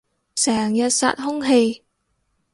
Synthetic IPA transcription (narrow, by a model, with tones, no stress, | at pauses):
sɛː˨˩ŋjɐ˨t̚sa̰ː˧t̚ɦʊ˥ŋɦe˧j